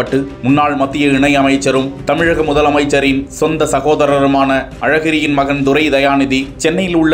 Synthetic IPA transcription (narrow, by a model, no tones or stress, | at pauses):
ɐʈːɯmʊnːaːɭmɐt̪ːɪjɐɪɳɐɪɐmɐɪt͡ʃːɐɾɯmt̪ɐmɪɻɐɣɐmʊðɐlɐmɐɪt͡ʃːɐɾɪnsɔnd̪ɐsɐɣoːðɐɾɐɾɯmaːnɐʔɐɻɐɣɪɾɪjɪnmɐɣɐnd̪ʊɾɐɪd̪ɐjaːnɪðit͡ʃɛnːɐjɪlʊɭːɐ